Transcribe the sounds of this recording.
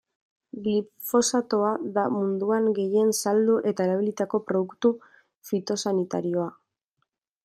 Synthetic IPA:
ɡli | fo̞sat̪o̞aðamund̪uaŋɡe̞je̞nsald̪uʔe̞t̪aeɾaβ̞ilit̪ako̞pɾo̞ðukt̪u | fit̪o̞sanit̪a̰ɾio̞a

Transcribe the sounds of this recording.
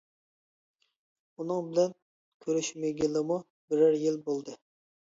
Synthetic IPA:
unɨŋbɪlɛn | kʲʰøɾyʃmeɡʲilɪmu | bɪɾɪɾjilbolˠd̪ɨ

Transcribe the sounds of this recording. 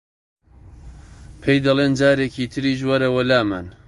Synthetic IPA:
pʰejd̪ɐleːnd͡ʒaːɾecʰiːt̪ʰɨɾiːʒwɐɾɐwɐlaːman

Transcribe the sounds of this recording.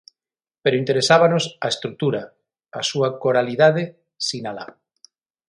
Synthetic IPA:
peɾoint̪eɾesaβanosaest̪ɾuk̚t̪uɾa | asuakoɾaliðað̞e | sinala̰

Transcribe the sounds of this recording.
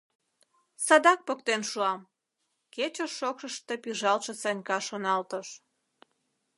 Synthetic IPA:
sɑd̪ɑk̚pokt̪enʃuɑm | ket͡ɕəʃːokʃəʃt̪e̽piʒɑlʃesɑnʲkɑʃonɑlt̪əʃ

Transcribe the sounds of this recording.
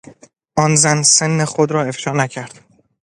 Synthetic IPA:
ʔɒnzænsenːexod̪ɾɒːe̞fʃɒːnæcʰæɾd̪̥

